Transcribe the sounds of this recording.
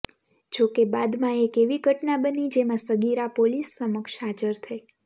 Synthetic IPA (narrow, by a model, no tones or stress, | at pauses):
d͡ʒokebad̪mãekeʋiɡʱəʈnabənid͡ʒemãsəɡiɾapolisːəməkʃɦad͡ʒəɾt̪ʰəe